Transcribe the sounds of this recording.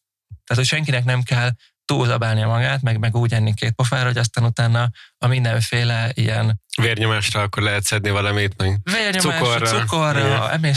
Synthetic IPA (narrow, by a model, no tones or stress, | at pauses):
t̪aːt̪ocʃɛŋkinɛknɛmkɛl | t̪uːzɒbaːlniɒmɒɡaːt̪mɛɡmɛɡuːɟɛnːikeːt̪̚pofaːɾɒɦoɒs̬t̪aːnut̪aːnːɒɒmind̪ɛɱfeːlɛijɛnveːrɲomaːʃɾɒɒkːorlɛɦɛt̪sɛd̪nivɒlɒmit̪mɛɡveːrɲomuaːrsukorːɒɛ̰meː